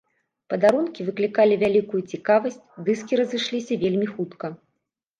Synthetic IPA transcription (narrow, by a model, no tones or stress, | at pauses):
pɐd̪aɾunkʲivɨklʲikalʲivʲalʲikujut͡sʲikavɐsʲt͡sʲd̪ɨskʲiɾɐzɨʂlʲisʲɐvʲelʲmʲixut̪kɐ